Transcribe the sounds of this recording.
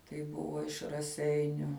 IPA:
tɐɪ ˈbʊʋoː ɪʃ rɐˈsʲɛɪnʲʊ

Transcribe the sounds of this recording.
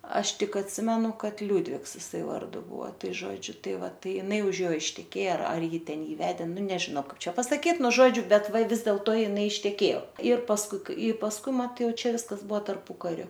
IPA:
ˈɐʃ ˈtʲɪk ɐtʲˈsʲɪmʲɛnʊ ˈkɐt ˈlʲuːdʲʋʲɪks ɪˈsɐɪ ˈʋɐrdʊ ˈbʊɐ ˈtɐɪ ˈʒoːd͡ʒʲʊ ˈtɐɪ ˈʋɐ ˈtɐɪ ɪˈnɐɪ ʊʃ ˈjoː ɪʃʲtʲɛˈkʲeːjɛ ˈɐr ˈjɪ ˈtʲɛn ˈjiː ˈʋʲæːdʲeː ˈnʊ nʲɛʒʲɪˈnoː ˈkɐɪp ˈt͡ʃʲɛ pɐsɐˈkʲiːt ˈnʊ ˈʒoːd͡ʒʲʊ ˈbʲɛt ˈʋɐ ˈʋʲɪs dʲeːlˠtoː ɪˈnɐɪ ɪʃʲtʲɛˈkʲeːjoː ɪr pɐsˈkʊɪ ɪ pɐsˈkʊɪ ˈmɐt ˈjɛʊ ˈt͡ʃʲɛ ˈʋʲɪskɐs ˈbuɔ tɐrˈpʊkɐrʲʊ

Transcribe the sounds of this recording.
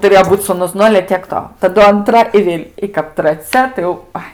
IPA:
tʊˈrʲeːjoː ˈbuːt suːˈnʊs ˈnʊ ɐlʲɛ tʲiɛk ˈtoː tɐˈdʊ ɐnˈtrɐ ɪ ˈʋʲeːlʲ ɪ kɐp trɐˈt͡sʲɛ tɐɪ jɛʊ ˈɐɪ

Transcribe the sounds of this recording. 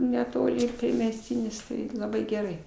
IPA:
nʲɛˈtoːlʲɪ ɪr pʲrʲiɛmʲɛsʲˈtʲiːnʲɪs ˈtɐɪ lˠɐˈbɐɪ ɡʲɛˈrɐɪ

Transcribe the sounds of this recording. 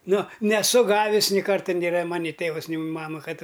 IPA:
ˈnʊ nʲɛˈsʊ ˈɡɑːʋʲɪs nʲɪ ˈkɐrtɐ nʲeːˈrɐ ˈmɑːnʲɪ ˈtʲeːʋɐs ˈnʲɪ ˈmɑːmɐ ˈkɐt

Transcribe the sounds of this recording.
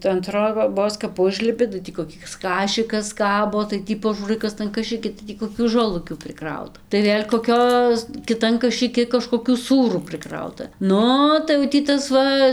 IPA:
tɐɪ ɐn troːˈboːs kɐp ˈʊʒʲlʲɪpʲɪ tɐɪ tʲiː koːˈkʲɪs ˈkɑːʃʲɪkɐs ˈkɑːboː tɐɪ ˈtʲiː pɐˈʒuːrɐɪ ˈkɐs tɐn kɐʃɨˈkʲɪ tɐɪ ˈtʲiː koːˈkʲuː ʒoːˈlˠʊkʲuː pʲrʲɪˈkrɐʊtɐ tɐɪ ˈʋʲeːlʲ koːˈkʲoːs kʲɪˈtɐn kɐʃɨˈkʲɪ kɐʃkoːˈkʲuː ˈsuːruː prɨˈkrɐʊtɐ ˈnʊ tɐɪ jɛʊ tʲiː ˈtɐs ˈʋɐ

